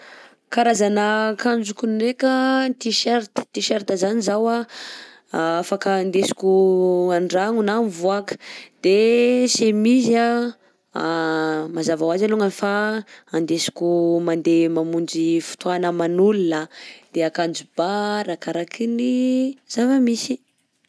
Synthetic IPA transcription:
kaɾazanəkand͡ʒukunekənt̪iʃeɾt̪ə̥t̪iʃeɾt̪əzanizawa | afakand̪esi̥kʲuaɳɖ͡ʐaŋunamvuakə̥d̪̥esemiza | mazavawazaluŋanifaand̪esi̥kumand̪emamund͡ʒifu̥t̪uanəmanulunəd̪̥eakand͡ʒubaɾakaɾakʰiniz̥avəmisi̥

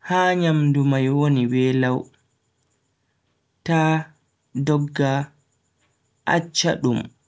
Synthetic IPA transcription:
haːɲamdumajwoniwɛːlaw | ta | dɔɡːa | ʔa̰t͡ʃːa̰ɗum

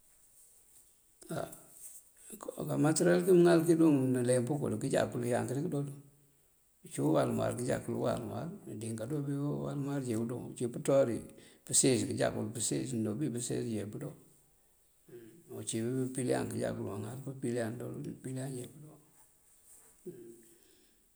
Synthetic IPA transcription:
a̰ | kamateɾalkimŋalkiduŋnalempukṵlkid͡ʒa̰kulujaŋkiɾikidolu | t͡ʃuwalmwa̰ɾkid͡ʒa̰kulṵwa̰lma̰ɾadiŋkadobiwa̰lmaɾd͡ʒebudo̰ŋt͡ʃiputoɾipəseskid͡ʒa̰kulupəsḛsndobipusḛsd͡ʒebudo | ut͡ʃibipilja̰ŋkid͡ʒa̰kuluwaŋalpupilando̰lpiland͡ʒebudo

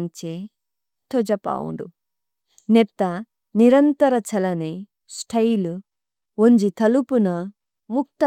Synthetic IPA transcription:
ɲt͡ʃe | t̪od͡ʒɐpa̰ːwṵɳɖṵ | nɛt̪ːɐ | niɾɐnt̪ɐɾɐt͡ʃɐlɐne | sʈʰɐjlu | oɲd͡ʒit̪ɐlupunɐ | muk̚t̪ɐ

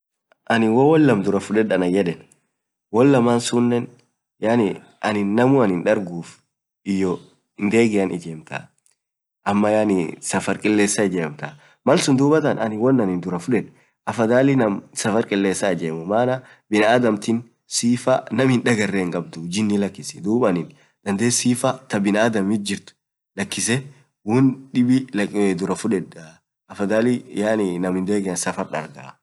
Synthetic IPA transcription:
ʔɐnɪwɔwɔlːɐmd̪ʊɾɐfʊᶑɛᶑɐnɐjɛᶑɛn | wɔlːɐmaːnsʊnːɛn | janɪ | ɐnɪnːɐmʊɐnɪnᶑɐɾɡuːf | ɪjːɔ | ɪnd̪e̞ːɡɪɐnɪd͡ʒeːmt̪ɐ̰ | ʔɐmːɐjaːnɪsɐfɐɾkʼɪlːe̞ːsːɐɪd͡ʒeːmt̪ɐ | mɐlsʊnd̪uːbɐt̪ɐnɐnɪwɔnːɐnɪnd̪ʊɾɐfʊᶑɛᶑ | ʔɐfɐd̪aːlɪnɐmsɐfɐɾkʼɪlːe̞ːsːad͡ʒeːmʊmaːnɐ | bɪnɐːd̪ɐmt̪ɪn | siːfɐnɐmhɪnᶑɐɡɐrːeːŋɡʼɐb̚d̪ʊd͡ʒɪnːɪlɐkːɪsɛ̥d̪uːbɐnɪn | d̪̥ɐnd̪e̞ːsiːfɐt̪ɐbɪnaːd̪ɐmɪt̪̚d͡ʒɪɾt̪ʊ̥ | lɐkːɪsɛ | wʊnᶑɪbɪd̪ʊɾɐfʊᶑɛᶑɐ | ʔɐfɐd̪aːlɪjaːnɪnɐmhɪnd̪e̞ːɡɪnsɐfɐɾᶑɐ̰ɾɡɐ̰

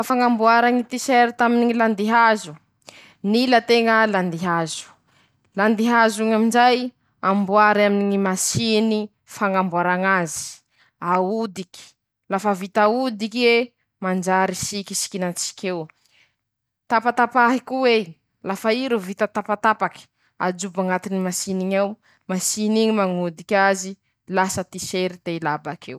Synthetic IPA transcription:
afaŋambuaɾaŋit̪isɛɾit̪aminiŋiland̪iɦazu | nilat̪eŋəland̪iɦazu̥ | land̪iɦazuŋaminzaj | ambuaɾaminiŋimasini | faŋambuaɾaŋazi̥ | aud̪iki̥ | lafəvit̪aud̪ike | mand͡ʒaɾisikisi̥kinat͡si̥kʲew | t̪apat̪apaɦikuwe | lafaiɾuvit̪ət̪apat̪apaki̥ | a̰d͡ʒubaŋat̪inimasiniɲaw | masiniŋimaŋud̪ikʲazi | lasət̪iseɾid̪̥eilabakʰḛw

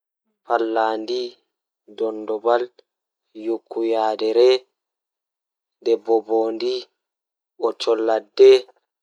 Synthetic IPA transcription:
falːaːndi | dɔndɔbal | jukʰːujaːdɛɾɛ | ndɛbɔboːndi | ʔɔt͡ʃɔlːadːɛ

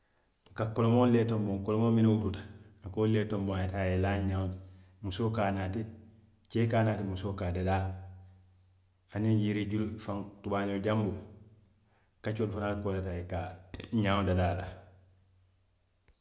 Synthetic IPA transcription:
kakolomoleːtomboŋkolomoːminewututḁakoːleːtomboŋetajelaɲa | musokaːnaːti | t͡ʃeːkaːnaːtimusokaːdadaː | anijiɾiɟulfaŋtubaɲoɟambo | kat͡ʃodfanalkolatajekaɲaːwodadala

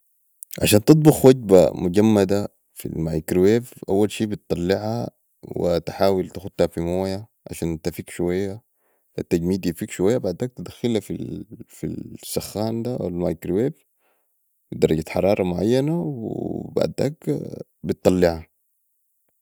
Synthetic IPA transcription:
ʕa̰ʃaːnt̪ɨt̪ˤbuxwaɟba̰muɟamːad̪a | fḭlmajkɾweːvʔawːalʃiːbit̪ˤːɑlːɪʕha | wḭt̪ħaːwilt̪axut̪ːhafimoːja | ʕa̰ʃaːnt̪afiːkʃuwajːa | fat̪ːaɟmiːd̪jifiːkʃuwajːabaʕd̪aːk̚t̪id̪axːɪlafilfḭlsaxːaːnd̪aʔa̰wlmajkɾweːv | wid̪ɑɾˤɑɟat̪ħɑ̰ɾˤɑːɾˤɑmʊʕa̰jːanawḭba̰ʕd̪a̰ːk | bɪt̪ˤːɑlːɪʕha

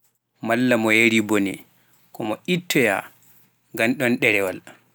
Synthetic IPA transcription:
malːamɔjeɾibɔnɛ̰ | kɔmɔʔitːɔja̰ | ŋɡanɗɔnɗɛɾɛwal

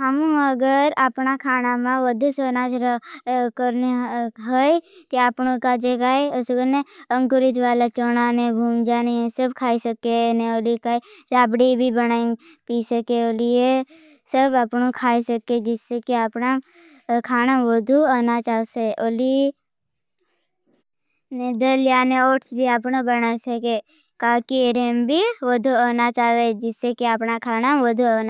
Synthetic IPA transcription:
ɦəmũəɡəɾapnakʰaːnamãʋəd̪ʱusoːnaːd͡ʒ | kəɾneɦəjt̪eapnõkad͡ʒekaːesɡəneə̃ŋkʊɾɪd͡ʒʋaːlat͡ʃoːnanẽbʱũːŋd͡ʒaːniẽsəbkʰaːisəkenẽoːlikaːiɾaːbɽibʱibənaːĩŋ | piːsəkeoːlie | səbəpnokʰaːisəkːed͡ʒɪsːekiəpna | kʰaːnaʋod̪ʱuaːnat͡ʃaːseʔoːli | ned̪əlijaːneoːʈsbʱiəpnobənasəke | kaːkiɾeːmbʱiʋod̪ʱuaːnat͡ʃaːed͡ʒɪsːekiəpnakʰaːnaʋəd̪ʱuaːna

